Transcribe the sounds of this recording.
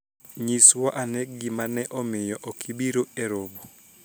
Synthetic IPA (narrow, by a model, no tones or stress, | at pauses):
ɲiswaʔanɛkɡɪmanɛʔɔmɪjɔʔɔkʰibiɾoeɾobo